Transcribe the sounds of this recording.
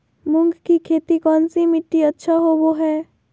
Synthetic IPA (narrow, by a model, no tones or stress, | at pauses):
mʊ̃ŋɡkikʰeːt̪ikɔːnsimɪʈːiɐtːʃʰaɦoboɦɛː